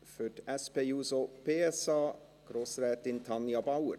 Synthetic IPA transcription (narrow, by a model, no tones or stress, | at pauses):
fœʈɛspejuːsopʰeːɛsɑː | ɡ̥ɾosɾɛːt̪ɪnt̪ʰɑnjɑbaʊəɾ